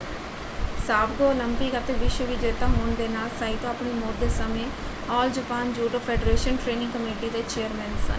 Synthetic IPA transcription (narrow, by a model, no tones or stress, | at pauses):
saːbɡoːləmpiːkət̪eːʋɪʃʋəʋiːd͡ʒeːt̪ãːɦoːɳd̪eːnaːlsaːit̪õːapɳiːmoːɾd̪eːsəmẽː | ɔːld͡ʒəpaːnd͡ʒuːʈoːpʰɛːɖɾeːʃənʈɾeːnɪ̃ŋɡkəmeːʈiːd̪eːt͡ʃeːəɾmɛ̃ːnsə̰n